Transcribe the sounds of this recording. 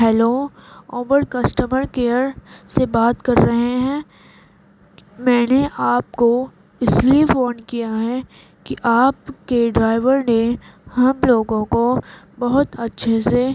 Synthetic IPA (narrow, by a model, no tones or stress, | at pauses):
ɦɛːloːoːʋəɾkɐsʈəməɾkeːəɾsebaːt̪kɐɾːɐɦeɦɛ̃ː | mɛ̃ːneʔaːp̚ko | ɪsliefoːnkijaɦɛ | kiʔaːpkeɖɾaːɪʋəɾnehɐmloːɡõko | bɐɦʊt̪ɐtːʃʰese